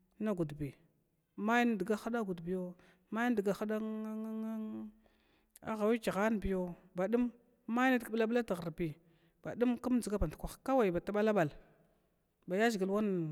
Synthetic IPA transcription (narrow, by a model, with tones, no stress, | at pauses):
na˦ɡu˨dbi˨ | ma˦jn˦di˨ɡa˦xa˦da˦ɡu˨dbi˨jo˦ | ma˦n˦di˨ɡa˨xa˦da˦ | a̰˨˦ɣa˨wi˦t͡ʃi˨ɣa˦n˨bi˨jo˦ | ba˨ɗu˦mː | a˦na˦dkbla˦bla˦ta˨ɣa˨ɾbi˨ | b̥a˨du˦mku˦m˦d͡zi˨ɡa˦ba˨n˨tkʷa˨xka˦wa˨i˨ba˨ta˦ɓa˦la˦ɓa˨l | ba˨ja˦zi˨ɡi˨lwa˦n˨